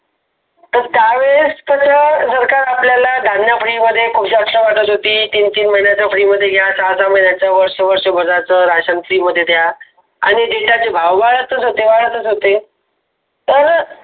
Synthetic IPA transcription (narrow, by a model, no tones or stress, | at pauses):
t̪əɾt̪jaʋest̪ətasəɾkaɾapljalad̪ʱanjafɭiməd̪ʱːjekʰubɕeəsəʋaʈət̪ɦot̪iːt̪iːnt̪iːnməɦiɳjat͡ɕjafɽiːməd̪ʱːjeɡʱjasat͡saməɦinjat͡ɕjaʋəɾʂəʋəɾʂəbəd͡zat͡səɾaɕənpʰɾiːməd̪ʱːjed̪ja | a̰ɽ̃id͡ʑiʈjat͡sebʱaʋʋaɭət̪ət͡sɦot̪eʋaɭət̪ət͡sɦot̪e | t̪əɾ